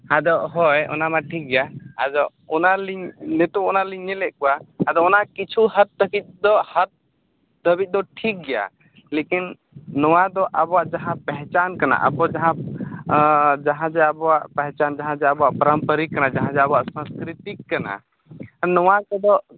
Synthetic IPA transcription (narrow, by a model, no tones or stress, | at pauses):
ad̪ɔʔɦɔjɔ̰namaʈʰik̚ɡɛjaad̪ɔʔ | ɔnaliɲnɛt̪uʔɔnaliɲːɛlɛʔkɔwaːd̪ɔɔnaʔkit͡ʃʰuhat̪̚ːəkit̪̚d̪ɔhat̪̚ | d̪əbit̪̚ˀd̪ɔʈʰik̚ɡɛja̰ | lekinː | ɔwad̪ɔʔabɔwaʔd͡ʒaɦãpɛɦɛ̃t͡ʃankana̰ʔa̰bɔd͡ʒaɦã | d͡ʒaɦãd͡ʒɛabɔwaʔpɛɦt͡ʃand͡ʒaɦãd͡ʒɛabɔwaʔpəɾəmpəɾikːanad͡ʒaɦãd͡ʒɛabɔwaʔsãnskɾit̪ikːana̰ | anɔwakɛd̪ɔʔ